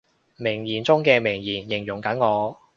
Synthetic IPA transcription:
mɪ˨˩ŋjiː˨˩nt͡sʊ˥ŋkɛː˧mɪ˨˩ŋjiː˨˩njɪ˨˩ŋjʊ˨˩ŋkɐ˨˥nŋɔː˨˧

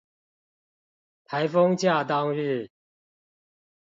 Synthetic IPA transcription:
t̪ʰa˧˦ɪfɤ˦ŋt͡ɕja˥˨t̪ɑ˦ŋɻ̩˥˨

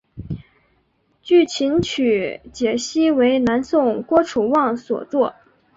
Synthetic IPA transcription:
t͡ɕy˥˩t͡ɕʰi˧˥nt͡ɕʰy˨˩t͡ɕjɛ˨˩ɕi˥we˧˥ɪna˧˥nsʊ˥˩ŋkwɔ˥ʈ͡ʂʰu˨˩wɑ˥˩ŋswɔ̰˨˩t͡swɔ˥˩

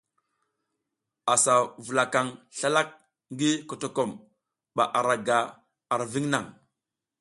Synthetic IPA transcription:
a˨sa˨vu˨la˨ka˨ŋɬa˦la˦k̚ | ŋɡi˦ko˨to˨ko˨m | ɓa˨ʔa˨ɾa˨ɡa˨ | a˨ɾvi˦ŋna̰˨ŋ

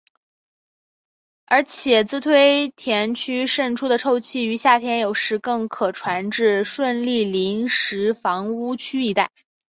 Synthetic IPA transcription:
ə˞˧˥t͡ɕʰjɛ˨˩t͡sɹ̩˥t̪ʰwe˥ɪt̪ʰjɛ˧˥nt͡ɕʰy˥ʂə˥˩nʈ͡ʂʰu˥d̪ə˨ʈ͡ʂʰo˥˧ʊt͡ɕʰi˥˩y˧˥ɕja˥˩t̪ʰjɛ˧˥njo˨˩ʊʂɻ̩˧˥kɤ˥˩ŋkʰɤ˨˩ʈ͡ʂʰwa˧˥nʈ͡ʂɻ̩˥˧ʂwə˥˧nli˥˩li˧˥ŋʂɻ̩˧˥fɑ˧˥ŋu˥t͡ɕʰy˥i˥˧t̪a˥˩ɪ

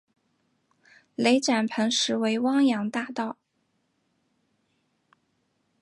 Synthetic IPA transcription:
le˧˥ɪʈ͡ʂa˨˩npʰə˧˥ŋʂɻ̩˧˥we˧˥ɪwɑ˥ŋjɑ˧˥ŋt̪a˥˧t̪ɑ˥˩ʊ

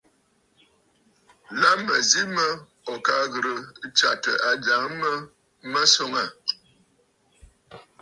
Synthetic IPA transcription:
la˦mə˨zi˦mə˦ | ɔ˨ka˦ɣə˨ɾə˨˦t͡ʃa̰˨tə˨ʔa˨d͡ʒa˨˦ŋ˦mə˦ | mə˦so˦ŋa˦˨

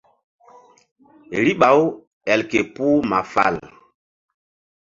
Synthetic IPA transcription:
ɾi˦ɓa˨˦w | ɛ˨lke˨pu˦ma˨fa̰˨l

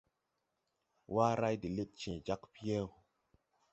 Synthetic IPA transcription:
wa˦ɾa˦jdi˨le˦t̚t͡ʃɛ̃˨d͡ʒa˦kpi˦e˦˨w

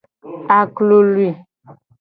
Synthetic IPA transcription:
a˨klo˨lwi˨

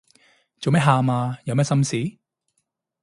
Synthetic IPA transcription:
t͡so˨wmɛː˥ɦaː˨maː˧jɐ˧wmɛː˥sɐ˥msiː˨˥

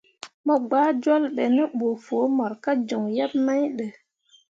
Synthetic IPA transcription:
mɔ˨ɡ͡baː˦d͡ʒwa˦lɗə˨nɛ˦ɓo˨foː˨˦mɔ˨ɾka˦d͡ʒo˨ŋja˦p̚ma˦jɗə˨

